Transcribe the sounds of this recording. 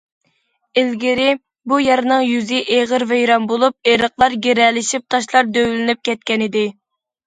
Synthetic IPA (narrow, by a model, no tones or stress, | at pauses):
ɪlɡʲɪɾɪ | bujɑɾnɨŋjyzɪʔeʁəɾvejɾɑnbolˠup̚eɾəqlˠɑɾɡʲeɾɛlɪʃip̚t̪ʰɑʃlˠɑɾd̪øwlɪnyp̚kʲɛt̪̚kʲɛnɪd̪ɪ